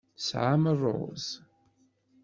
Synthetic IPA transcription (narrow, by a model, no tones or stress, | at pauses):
sʕamərˤo̰z